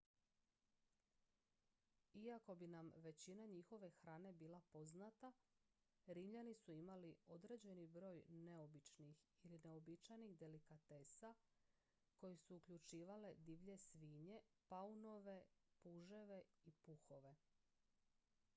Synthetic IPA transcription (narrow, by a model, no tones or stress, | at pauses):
iako̞binamʋe̞t͡ɕinaɲixo̞ʋe̞xɾaːne̞biːlˠapo̞znat̪a | ɾimʎanisuimalio̞d̪ɾe̞ːd͡ʑe̞nibɾo̞ːjne̞o̞bit͡ʃnixiline̞o̞bit͡ʃajnixd̪e̞likat̪e̞ːsa | ko̞jesuːkʎut͡ʃiːʋale̞d̪iʋʎe̞sʋiːɲe̞pauno̞ʋe̞puʒe̞ʋe̞ipuxo̞ʋe̞